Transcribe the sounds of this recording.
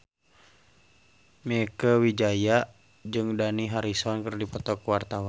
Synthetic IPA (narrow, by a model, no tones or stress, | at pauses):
mɛkəwid͡ʒaja | d͡ʒɨŋdaniɦaɾisɔnkɨrdipɔt̪ɔkwart̪awan